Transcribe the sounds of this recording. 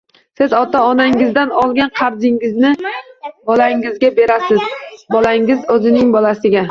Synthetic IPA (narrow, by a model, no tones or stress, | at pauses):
sɪzɒt̪ʰaɒnaŋɪzd̪anɒlˠɡʲanqʰɑɾzɪŋɪznɪbɒlaŋɪzɡʲabe̞ɾasɪzbɒlaŋɪzɵzɪnɪŋbɒlasɪɡʲa